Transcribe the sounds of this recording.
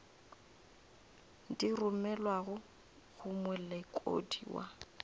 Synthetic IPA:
dirʊmɛlwaɣʊ | ɣʊmɛlɛkʼo̰dḭwa̰

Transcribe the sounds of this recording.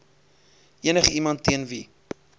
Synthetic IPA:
iənəχəimɐntːiənvi

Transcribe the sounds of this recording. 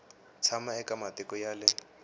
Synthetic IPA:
t͡sʰamaɛkamatɪkɔjalɪ

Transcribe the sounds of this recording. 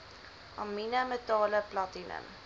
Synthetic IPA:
ʔɑminəmətɑːləplɑtinə̰m

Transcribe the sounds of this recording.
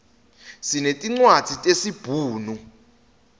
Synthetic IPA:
sinetʼiŋ͡ǀwad̥z̥ʱitʼesib̥ʱuːnu

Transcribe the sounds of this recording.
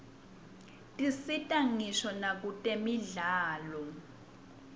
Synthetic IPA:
tʼisitʼaŋiʃɔnak̬utʼemiɮaːlɔ

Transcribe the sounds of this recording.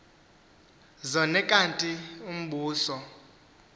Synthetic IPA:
zɔnɛkʼantʼium̩ɓuːsɔ

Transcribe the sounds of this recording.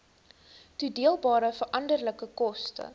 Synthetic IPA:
tudiəlˠbɑːɾəfərʔɐndərləkəkɔstə̰

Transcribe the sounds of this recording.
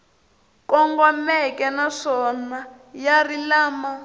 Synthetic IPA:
kɔŋɡɔmɛkʼɛnaʂɔna | jarilaːma

